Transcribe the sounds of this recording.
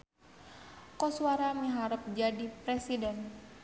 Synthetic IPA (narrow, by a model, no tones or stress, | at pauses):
kɔsuaɾamiɦaɾəp̚d͡ʒadipɾɛsidɛn